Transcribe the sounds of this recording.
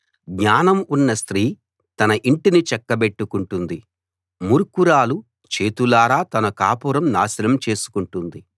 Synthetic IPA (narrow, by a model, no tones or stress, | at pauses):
ɡɲaːnɐmunːɐst̪ɾiː | t̪ɐnɐʔiɳʈinit͡ʃɛkːɐbe̞ʈːukuɳʈund̪i | muɾkuɾaːlu | t͡ʃe̞ːt̪ulaːɾaːt̪ɐnɐkaːpuːɾɐmnaːsilɐmt͡ʃe̞ːsu̥kuɳʈund̪i